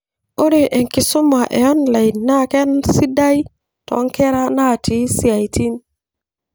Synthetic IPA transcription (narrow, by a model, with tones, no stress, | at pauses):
o˦ɾe˨ʔe˨ŋki˨su˦ma˨ʔḛ˨ɔ˦nla˨i˨nːa˦ke˦nsi˦da˦j | tɔ̰˨˦ŋke˦ɾa˦na˦˨tʰi˨˦si˦˨a˨jti˦n